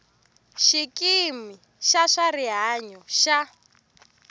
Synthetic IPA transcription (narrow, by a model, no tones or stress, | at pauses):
ʃikʼimi | ʃaʂariɦaɲɔʃa